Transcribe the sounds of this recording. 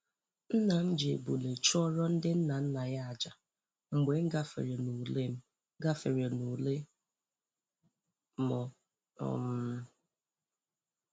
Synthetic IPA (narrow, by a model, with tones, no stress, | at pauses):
n̩˦na˨m̩˦d͡ʒe˨bu˨le˨t͡ʃɔ˦ɾɔ˦n̩˦dɪ˦n̩˦na˨n̩˦na˨ja˦a˨d͡ʒa˨ | ŋ͡m̩˨ɡ͡be˨˦ŋ̩˦ɡa˦fḛ˨ɾe˨nu˨le˦m̩˦ | ɡa˦fe˨ɾe˨nu˨le˦ | mɔ˨ | ɔ̰˨m̩˦